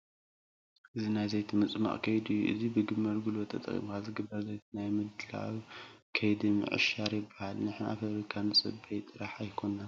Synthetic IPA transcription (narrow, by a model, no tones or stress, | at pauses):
ʔɨzinajzɐjt̪ʰimɨt͡sʼma̰ʔʼkʰɐjd̪ɨjːuʔɨ̰zibɨɡɨmːɐlɡɨlot̪ʰɐ̰t̪ʼɐ̰χʼjḭbahalzɨɡɨbːɐɾzɐjt̪ʰinajmɨd̪ɨla̰wkʰɐjd̪imɨ̰ʕɨ̰ʃaɾjɪbːahalnɨħna̰fɐfɾikʰanɨsʼɨ̰bɐjt̪ʼɨɾaħajkʰo̞na